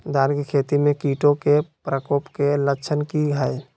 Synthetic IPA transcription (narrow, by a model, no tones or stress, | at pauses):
d̪aːnkikʰeːt̪imẽkiːʈõkepɾəkoːpkeləkt͡ʃʰənkiɦəe